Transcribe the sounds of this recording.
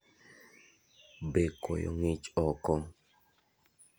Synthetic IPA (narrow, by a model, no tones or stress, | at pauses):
bekʰo̰jɔ̰ŋɪt͡ʃɔkɔ